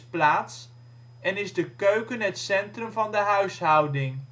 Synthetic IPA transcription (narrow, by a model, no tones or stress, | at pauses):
plaːts | ɛnɪzdəkøɥkənɦətsɛntrəmvɑndəɦœɥsɦɑwdɪŋ